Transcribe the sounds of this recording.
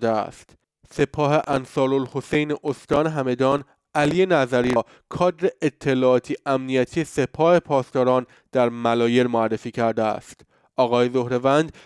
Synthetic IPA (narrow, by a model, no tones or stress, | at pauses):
d̪eæ̰st̪ | se̞pʰɒːɦeʔænsɒːɾolho̞sejneʔost̪ɒːneɦæme̞d̪ɒːn | ʔælije̞næzæɾi | kʰɒːd̪ɾeʔet̪ʰːe̞lɒːt̪ʰiːʔæmnijæt̪ʰiːjese̞pʰɒːhe̞pʰɒːst̪ɒːɾɒːn | d̪̥æɾmælɒːje̞ɾmoærːe̞fiːcʰæɾd̪eæ̰st̪ | ʔɒːɣɒːje̞zo̞hɾe̞vænd̪